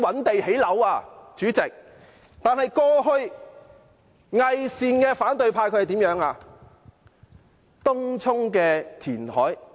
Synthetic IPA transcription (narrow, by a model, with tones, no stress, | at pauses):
wɐ˨˥nt̪e˨jhe˨˥jlɐ˨˥waː˧t͡ʃyː˨˥t͡sɪ˨k̚ | t̪aː˨nhɐ˨jkɔː˧ɦɵ˧ɥ | ŋɐ˨jsiː˨nkɛː˧faː˨˥nt̪ɵ˨˧ɥpʰaː˧jkʰɵ˧˥˨t̪i˨˥mjœː˨˥ŋaː˧ | t̪ʊ˥ŋt͡sʰʊ˥ŋkɛː˧t̪ʰiː˨˩nhɔː˨˥j